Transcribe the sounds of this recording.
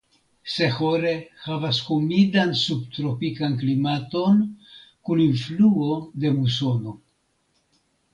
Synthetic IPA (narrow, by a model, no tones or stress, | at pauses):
se̞xo̞ɾe̞havashumidansubt̪ɾo̞pikank̬limato̞nkuninfluo̞d̪e̞muso̞no̞